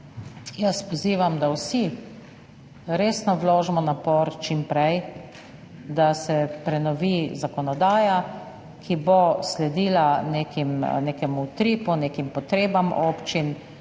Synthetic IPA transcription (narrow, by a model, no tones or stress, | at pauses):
jəspɔziːʋamd̪awsi | ɾeːsnɔwloːʒmɔnapɔɾt͡ʃimpɾɛj | d̪asɛpɾɛnɔʋizakɔnɔd̪aːja | kʰiboslɛd̪iːlanekimnekɛmut̪ɾiːpuneːkimpɔt̪ɾeːbamʔoːpt͡ʃin